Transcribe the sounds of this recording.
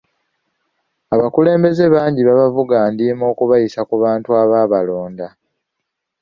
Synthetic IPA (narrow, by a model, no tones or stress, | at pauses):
aβakule̞ːmbe̞ze̞βaːɲɟiβaβavuɡaːndiːmo̞ːkuβajisakuβaːntuaβaːβalo̞ːnda